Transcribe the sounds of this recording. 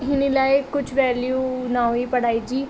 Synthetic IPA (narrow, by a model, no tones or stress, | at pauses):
ɦɪnilaːekʊt͡ʃʰʋɛːljuːnãːoiːpəɽaːiːd͡ʒiː